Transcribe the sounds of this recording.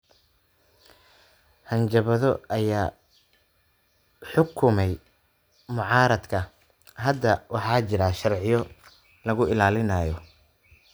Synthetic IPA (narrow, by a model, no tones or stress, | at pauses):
hɐnt͡ʃɐβɐðɔ̰ʔɐjaː | ħʊkʰʊmɛj | mʊʕɑːɾɐd̪kʰɐ | ɦɐd̪ɐwʔɑħɑːt͡ʃɪɾɐʃɐrʕɪjɔ | lɐɣʊɪlaːlɪnaːjɔ